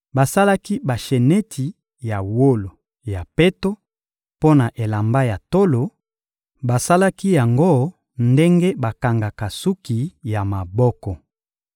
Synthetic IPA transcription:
ba˨sa˦la˦ki˦ba˨ʃe˨ne˦tʰi˨ | ja˨wo˦lo˨ | ja˨pe˦to˦ | po˦na˨ʔe˨la˨mba˦ja˨to˦lo˨ | ba˨sa˦la˦ki˦ja˨ŋɡo˦˨ | nde˦ŋɡe˦ba˨ka˨ŋɡa˨ka˨su˦ki˨ja˨ma˨bɔ˦kɔ˨

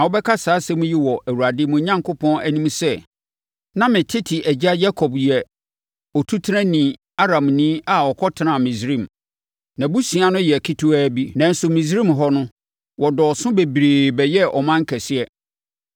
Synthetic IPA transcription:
nã˨wɔ˨˦bɛ˦kʰa˦saː˨˦sɛ˦mʊ̃˦ji˦wɔ˨æ˨wu˨a˨dɪ˦mʊ̃˨˦ɲã˦ŋkʰʊ˦pʰɔ̃˦næ˨nĩ˦msɛ˦ | nã˦mɪ̃˨tʰɪ˦tʰɪ˨ʔæ˨d͡ʑa˦ja˦kʰɔ˨bjɛ˨ | ɔ˨tʰu˦tʰɾã˦nĩ˨ | a˦ɾã˨mnĩ˦a˨ɔ˨kʰɔ˦tʰɪ˨nã˨mĩ˨sɾĩ˦˨m | nã˨bu˦sĩ˨a˨nʊ̃˦jɛ˨kʰi˦tʰʊ˦æː˦bi˦nã˨n̩˦sʊ˨mĩ˨z̬ɾĩ˦˨mɦɔ˦nʊ̃˦ | wɔ˨dɔ˨sʊ̃˦be˨bɾeː˨bɛ˨jɛ˦ɔ̰˨mã˦ŋ̩˦kʰæ˨sɪ˦ɛ˦

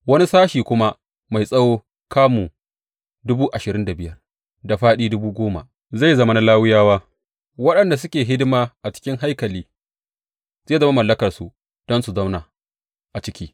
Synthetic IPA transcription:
wɐ˦ni˦saː˦ʃiː˨kʷʊ˦ma˦ | ma˨jsʼɐ˦woː˦ | kaː˦muː˨ | dʊ˦buː˦ʔa˨ʃɪ˨ɾɪ˦nda˨bɪ˦jɐ˦r | da˨ɸaː˦ɗiː˦dʊ˦buː˦ɡʷoː˦ma̰˨ʔ | za˦˨jzɐ˦ma˦na˦˨laː˦wɪ˦jaː˦waː˦ | wɐ˦ɗɐ˨nda˨s̬ʊ˦kʲeː˨ɦɪ˦dɪ˦maː˦ʔa˨t͡ʃɪ̥˦kʲɪ˦ŋɦa˦jkɐ˨liː˦ | zeː˦˨zɐ˦ma˦mɐ˨lːɐ˦kɐ˨rsu˨ | d̥ɔ˦nsu˨zɐ˦wnaː˨ | ʔa˨t͡ʃɪ˦kʲiː˦

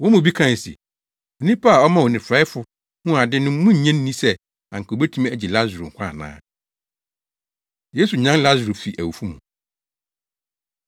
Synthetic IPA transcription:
wɔ̃˦mʊ̃˨bi˦kʰã˦˨n˨sḭ˨ | o˨nĩ˦pʰa˦a˨ɔ˦mã˨wɔ˨nɪ̃˨fɾa˦ɪ˦fʊ˨ | hũ˦a˨dɪ˦nʊ̃˦mũ˦ɲ̩˨ɲɛ̃˦nːĩ˦sɛ˦ | ã˨ŋ̩˨kʰo˨bæ˦tʰũ˦mæ˨d͡ʑi˨la˦zɾŋ̩˨kʰʷã̰˦˨nã̰ː˦ | je˦su˨ɲã˦la˦zɾu˨fi˨ʔæ̰˨wu˨fu˦mṵ̃˨

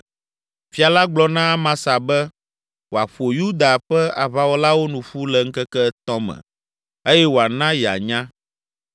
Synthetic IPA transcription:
fi˨a˨la˦ɡ͡blɔ˦nã˦mã˦sa˨bɛ˦ | wo˨a˨ɸo˨ju˦d̪a˨ɸɛ˦a˨βa˦wo˦la˦wo˦nũ˨ɸu˦lɛ˨ŋ̩˦kɛ˦kɛ˦t̪ɔ̃˦mɛ̰̃˨ | e˦jɛ˦wo˨a˨nã˦jɛ˨a̰˨ɲã˦

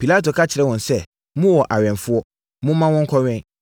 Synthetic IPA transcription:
pʰi˨la˦to˨kʰa˦t͡ɕʰɪ˨ɾɛ˦wɔ̃˨n˨sɛ˦˨ | mʊ̃˦wɔ˨ʔa˨ɥɛ̃˨nfʊ˦ɔ˦ | mʊ̃˦mã˦wɔ̃˦ŋ˦kʰɔ˦ɥɛ̃˦

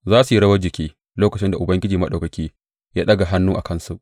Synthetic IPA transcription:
zaː˦su˨ji˦ɽɐ˦wɐ˦d͡ʒɪ˨kʲʰiː˦ | loː˦kɐ˨t͡ʃɪ˦nda˨ʔʊ˨bɐ˦ŋɡʲɪ˦d͡ʒiː˨mɐ˦ɗa˨kɐ˨kʲiː˦ | jaː˦ɗɐ˦ɡa˨ɦa˦nːuː˦ʔa˨kɐ˦nsu˦ʔ

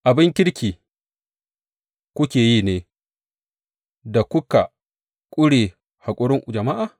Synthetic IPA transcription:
ʔa˨bɪ˦ŋkʲɪ˦ɽkʲiː˨ | kʷʊ˦kʲeː˨jiː˦˨neː˨˦ | da˨kʷʊ˦ka˨ | kʷʼʊ˦ɽeː˨ | ha˨kʷʼʊ˦ɽɪ˦ŋʔd͡ʒɐ˨ma˦ʔa˨

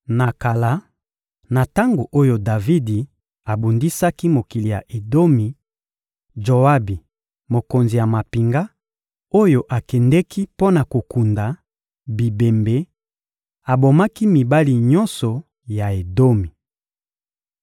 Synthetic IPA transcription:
na˨ka˨la˨˦ | na˨ta˦ŋɡo˨ʔo˦jo˦da˨vi˦di˨ | a˨bu˨ndi˦sa˦ki˦mo˨ki˨li˨ja̰˨ʔe˨do˦mi˨ | d͡ʒo˨a˦bi˨ | mo˨ko˨nzi˨ja˨ma˨pi˨ŋɡa˦ | o˦jo˨ʔa˨kɛ˨ndɛ˦kʰi˦po˦na˨ko˨ku˨nda˨ | bi˨be˨mbe˨˦ | a˨bo˨ma˦ki˦mi˨ba˦li˨ɲɔ˦nsɔ˨ | ja˨e˨do˦mi˨

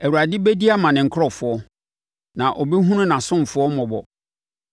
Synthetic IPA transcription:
ɛ˨wu˨ɾa˨dɪ˦be˦di˦a˦mã˨nɪ̃˨ŋ̩˨kʰɾɔ˦˨fʊ˨ɔ˦ | nã˨ʔɔ˨bi˦ɦũ˦nʊ̃˦nã˨sʊ̃˦m˨fʊ˨˦ɔ˦mɔ̃˨bɔ˨

